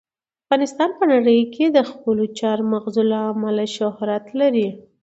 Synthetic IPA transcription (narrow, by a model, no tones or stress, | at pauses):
afɣɑnɪst̪ɑnpənaɽəjkʰed̪əxpəlot͡ʃɑɾmaɣzulaamalaʃʊhɾat̪laɾi